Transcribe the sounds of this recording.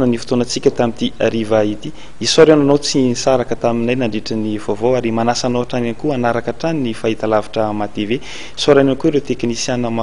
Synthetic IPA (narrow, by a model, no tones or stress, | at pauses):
nənifu̥t̪onət͡sikʲət̪amit̪iaɾivait̪i̥ | isaɾeananot͡sinisaɾakət̪aminajnaɳɖ͡ʐeʈ͡ʂənivovoaɾimanasanoaʈ͡ʂananikuanaɾakəʈ͡ʂaninifait̪alavḁʈ͡ʂəmat̪eve | soɾanankuɾewt̪eknisjanəma